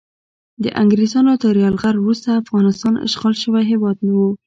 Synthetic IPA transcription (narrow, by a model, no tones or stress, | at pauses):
d̪ə̰ʔaŋɡɾezɑnat̪əɾjɑlɣaɾwɾust̪aːfɣɑnɪst̪ɑnɪ̰ʃɣɑlʃəwajɦɪwɑd̪̚nawu